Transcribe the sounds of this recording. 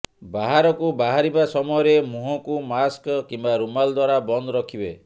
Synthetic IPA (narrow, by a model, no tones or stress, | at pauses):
baɦaɾɔkubaɦaɾibasɔmɔjɔɾemuɦɔkumaskɔkimbaɾumald̪waɾabɔnd̪ɔɾɔkʰibe